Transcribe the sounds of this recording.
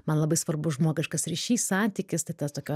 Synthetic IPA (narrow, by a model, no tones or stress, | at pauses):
mɐnlˠɐbɐɪsʋɐrbʊʒmuɔkʲɪʃkɐsɾʲiʃʲiːssɑːnʲt̪ʲiːkʲɪst̪ɐɪt̪ɐt̪oːkʲoː